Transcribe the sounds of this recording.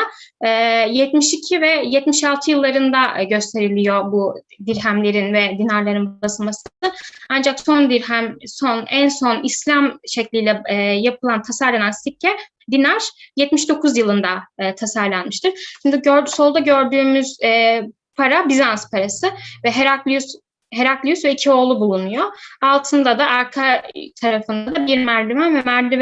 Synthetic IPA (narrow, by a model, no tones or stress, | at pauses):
ɛːjɛt̪miʃicʰivɛjɛt̪miʃalˠt̪ʰɯjɯlˠːaɾɯnd̪aɟø̞st̪ʰe̞ɾilʲijo̞bud̪iɾɦæmlʲe̞ɾinvɛd̪inaɾlˠaɾɯnbasɯmasɯand͡ʒaksond̪iɾɦæmsonænso̞nislʲamʃɛclʲijlʲɛjapʰɯlˠant̪ʰasaɾlˠanansʰicʰːɛ | d̪inæɾ̥jɛt̪̚miʃd̪o̞kʰuzjɯlˠɯnd̪at̪ʰasaɾlˠanmɯʃt̪ʰɯɾ̥ʃimd̪iɟøɾso̞lˠd̪aɟøɾd̪yːmyz̥ɛː | pʰaɾabizanspʰaɾasɯvɛɦɛɾaklʲs | ɦeɾaklʲˠijysvɛicʰio̞ːlˠubulˠunujoalˠt̪ʰɯnd̪ad̪aʔaɾkʰat̪ʰaɾafɯnd̪ad̪abiɾmæɾd̪ymɛvɛmæɾd̪ym